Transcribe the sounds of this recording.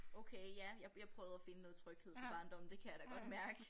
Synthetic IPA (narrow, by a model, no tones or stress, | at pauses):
oʊkʰeɪjæjɑ̈ɪjɑ̈ɪpʰʁœːʊð̞̩ˠæfe̝nənɔ̽ːð̞̩ˠt͡sʰʁœɡ̥heð̰ˠfɒ̽bɑ̈ːnd̥ɒ̽mn̩d̥e̝kʰæjɑ̈d̥æɡ̥ɒ̽d̥mæɐɡ̥ə